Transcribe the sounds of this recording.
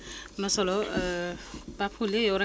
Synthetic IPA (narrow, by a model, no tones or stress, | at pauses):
nʌsɔlo | papʰuleewɾa